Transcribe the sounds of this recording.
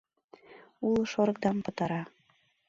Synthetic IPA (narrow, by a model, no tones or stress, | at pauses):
ulˠɤ̆ʃoɾɤ̆k̚d̪ɑmpɤ̆t̪ɑɾɑ